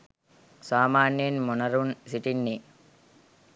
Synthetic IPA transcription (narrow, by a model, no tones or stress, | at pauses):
saːmaːnjɐnmunɐɾunsiʈinːi